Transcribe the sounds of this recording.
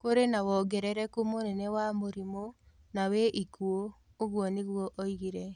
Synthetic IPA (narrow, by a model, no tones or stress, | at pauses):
koɾenawɔɡɛɾɛɾɛkumonɛnɛwamoɾimo | naweʔikuo | oɣwɔniɣwɔʔoiɣiɾɛ